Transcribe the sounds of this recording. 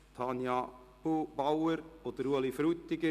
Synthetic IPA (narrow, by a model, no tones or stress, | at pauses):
t̪ʰɑnjɑ | b̥ubawəɾod̪əɾuəlifɾyt̪ːɪɡə